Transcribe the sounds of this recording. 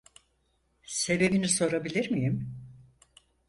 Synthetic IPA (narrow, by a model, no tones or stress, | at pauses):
se̞be̞biniso̞ɾabilʲiɾmijim